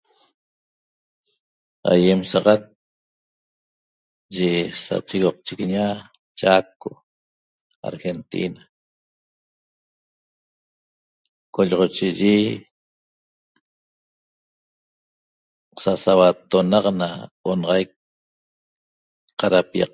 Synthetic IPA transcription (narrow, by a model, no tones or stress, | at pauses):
a̰jemsɑʁɑt̪̚ | ʒesa̰t͡ʃiɣoq̚t͡ʃikɲa | t͡ʃako | a̰ɾxent̪ḭna | koʎʁot͡ʃiʒi | sasawat̪onɑqnaonʁɑjk̚ | qaɾapiɑ̰q̚